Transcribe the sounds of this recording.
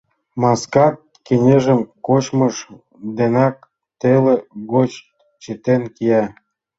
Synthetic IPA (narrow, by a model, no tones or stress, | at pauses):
mɑskɑk | kenʲeʒə̆mkot͡ɕməʃ | d̪enɑk̚ | t̪eleɡot͡ɕ | t͡ɕet̪enkijɑ